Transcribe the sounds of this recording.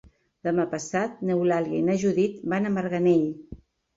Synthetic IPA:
d̪əmapəsat̪̚nəwlaljainaʒuðit̪banəməɾɣəneʎ

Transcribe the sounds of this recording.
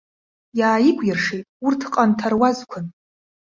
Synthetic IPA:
jaːjikʷʼjɪrʂijtʼurtʰqʼantʰarwazkʷʰʊn

